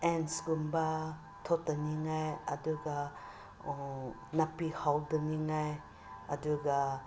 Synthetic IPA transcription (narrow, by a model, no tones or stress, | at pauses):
ensɡumba | tʰɔtaniŋajaduɡa | napihawduniŋaj | aduɡa